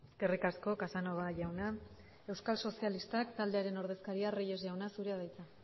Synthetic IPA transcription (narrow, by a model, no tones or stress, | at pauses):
eske̞rikasko̞kasano̞ɣ̞aʝawna | e̞wskalso̞sialist̪akt̪ald̪e̞aɾe̞no̞ɾð̞e̞skaɾiareje̞zʝawnasuɾeaðajt͡s̪a